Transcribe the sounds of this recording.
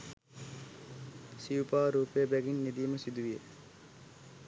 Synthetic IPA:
siupaːɾuːpejəbæɡinːid̪ijːməsid̪uʋijḛ

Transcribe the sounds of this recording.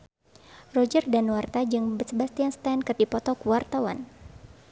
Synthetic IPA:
rɔd͡ʒərdanwart̪ad͡ʒɨŋbəsəbast̪ianst̪ankɨrdipɔt̪ɔkuwart̪awa̰n

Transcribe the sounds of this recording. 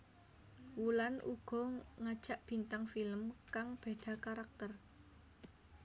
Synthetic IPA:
wulanʔṵɡ̥ɔ̤ŋad̥ʒ̥a̤ʔb̥i̤nt̪aŋfiləmkaŋb̥e̤ɖ̪̥ä̤kaɾak̚t̪ər

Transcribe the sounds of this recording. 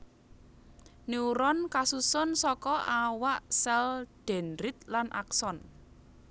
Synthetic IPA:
niuɾɔnkasusʊnsɔkɔawaʔsɛld̪̥ɛ̤nɾɪt̪̚lanʔa̰ksɔn

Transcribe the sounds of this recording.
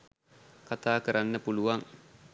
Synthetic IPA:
kat̪aːkəɾʔanːəpuluʋaŋ

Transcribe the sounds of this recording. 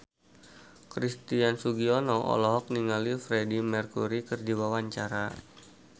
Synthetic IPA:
kɾist̪iansuɡiɔnɔʔɔ̰lɔɦɔk̚niŋalifɾedimərkuɾikɨrdiwawaɲt͡ʃaɾa

